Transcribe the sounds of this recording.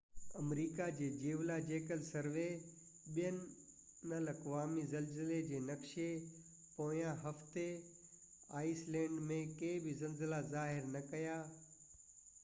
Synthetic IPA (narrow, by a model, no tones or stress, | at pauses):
ɐmɾiːkad͡ʑeːd͡ʑeːʋlad͡ʑeːkəlsɐɾʋe | ɓijənɪ | nəlɐkʋaːmizɐlzled͡ʑeːnɐkʃe | poːjãɦɐft̪e | aːislɛ̃ːɳɖmẽkeːbɪzɐlzɪlazaːɦɪɾnɐkɐjaː